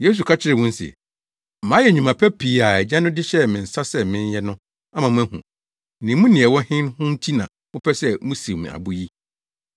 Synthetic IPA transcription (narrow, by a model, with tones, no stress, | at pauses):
je˦s̬u˨kʰa˦t͡ɕʰɪ˦ɾɪ˨wũ˦n̩˦sɪ̰˨ | mãː˨˦jɛ˨ɲᶣũ˨mã˨pʰɛ˦pʰiː˨a˨ɛ˨d͡ʑã˦nʊ̃˦dɪ˦ɕɛ˦mɪ̃˨n̩˨sa˦sɛ˦mɪ̃˦n˦jɛ˦nʊ̃˦ | ã˦mã˨mʊ̃˦æ˦hṵ̃˨ | nɪ̃˨˦mũ˦nɪ̃˨ɛ˨wɔ˦hɪ̃˦n˦hʊ̃˦n̩˦tʰi˦nã̰˨ | mʊ̃˦pʰɛ˦sɛ˦mũ˦si˨m̃˨a̰˨bʊ˦ji˦